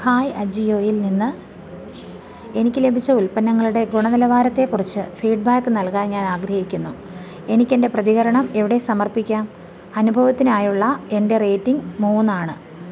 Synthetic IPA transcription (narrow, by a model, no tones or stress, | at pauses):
haːjɐd͡ʑijo̞ːjilninːɨ | e̞nikʲːɨle̞bʱit͡ɕːɐulpɐnːɐŋːɐɭuɽe̞ɡuɳɐnilɐʋaːɾɐt̪ːe̞kːurit͡ɕːɨfiːɖ̚baːkːɨnɐlkaːnɲaːnaːɡɾɐhikʲːunːu | e̞nikʲːe̞nde̞prɐðiɣɐɾɐɳɐme̞ʋiɽe̞sɐmɐrpikʲːaːm | ɐnubʱɐʋɐt̪ːinaːjuɭːɐe̞nde̞re̞ːtːiŋmuːnaːɳɨ